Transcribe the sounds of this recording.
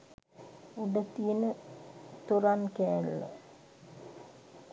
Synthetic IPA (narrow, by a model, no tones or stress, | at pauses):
uɖət̪ijənət̪uɾankɛːlːo̰